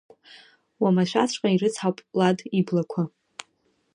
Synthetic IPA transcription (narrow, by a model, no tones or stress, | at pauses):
wamaʃʷᶣa̰t͡ɕʷʰʼqʼairɨt͡sʰħawpʼladiblakʷʰa